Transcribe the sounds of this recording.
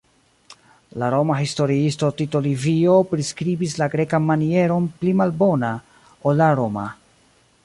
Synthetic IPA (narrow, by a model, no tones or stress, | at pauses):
laɾo̞maɦisto̞ɾiisto̞tito̞livio̞pɾiskɾibislaɡɾe̞kanmanie̞ɾo̞nplimalbo̞na | olːaɾo̞ma̰